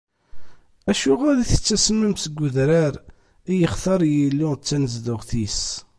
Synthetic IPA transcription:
æʃʊʁaðiθə̥t͡sːæsəmːəmsəɡʷːʊðɾaɾ | ijəχθɑɾˤjilːʊt͡sːænəzðʊʁθis

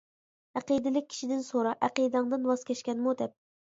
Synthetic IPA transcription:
æqid̪ɪlɪk̚ʲʰːi̥ʃid̪ɪnsoɾɑʔæqid̪ɨŋd̪ɨnwɑskʲʰɛʃkʲɛnmud̪ɛp̚

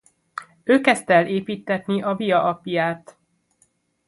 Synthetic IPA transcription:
øːkɛst̪ɛlːʔeːpiːt̪ːɛt̪niʔɒvijɒʔɒpjaːt̪

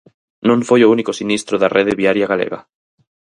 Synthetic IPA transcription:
nõŋfojounikosinist̪ɾoðarʔeðeβiaɾjaɣalḛɣɐ̰

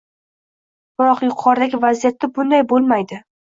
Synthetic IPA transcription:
b̥ʊɾɒqjʊqʰɒɾɪd̪aɡʲɪvazijat̪ːabʊnd̪ajbolˠmajd̪ɪ

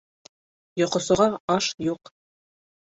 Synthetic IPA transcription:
jŏqŏsɤ̆ʁɑɑʃjuq

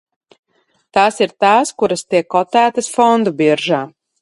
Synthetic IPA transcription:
t̪aːsiɾt̪aːskuɾɐst̪iɛkːɔt̪æːt̪ɐsfɔnd̪ubiɛɾʒaː

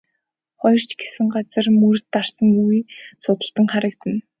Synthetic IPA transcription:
χɔjɞ̆r̥t͡ɕɡesɘ̆ŋɢat͡sə̆rmɵr̆t̪ːarsə̆ŋjuwiːsʊt̪ə̆ɬt̪ə̆ŋχaɾə̆kt̪ɘ̆n

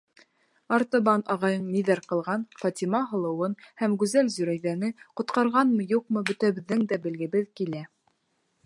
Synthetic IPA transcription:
ɑɾt̪ɑ̆βɑnʔɑʁɑjɤɴniðæɾqɤ̆lˠʁɑnfɑt̪ʲimɑɦɤ̆lˠɤ̆wɤnhæmɡʉzælzɵ̆ɾæjðænɘqŏt̪qɑɾʁɑnmɤjuq̚mɤbɵ̆t̪æβɘ̆ðːɘŋd̪æbɘ̆lɡɘ̆βɘðkilæ

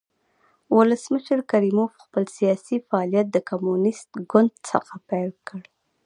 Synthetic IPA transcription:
wʊləsməʃəɾkaɾimofxpəlsijɑsifaɑlijat̪̚d̪əkamunɪst̪ɡʊnd̪sə̰xapelkəɽ

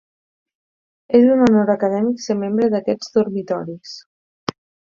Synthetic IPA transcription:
ezunonoɾəkəð̞ɛmiksemembɾəðəkɛd͡zd̪uɾmit̪ɔɾis

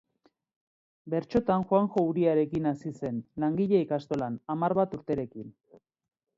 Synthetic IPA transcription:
be̞ɾt͡ʃo̞t̪anxwaŋxo̞uɾiaɾe̞kinasise̞nlaŋɡiʎeikast̪o̞lanamaɾβat̪uɾt̪e̞ɾe̞kin

